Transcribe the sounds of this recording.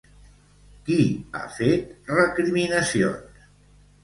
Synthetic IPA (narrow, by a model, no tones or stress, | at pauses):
kia̰fet̪rəkɾiminəsio̰ns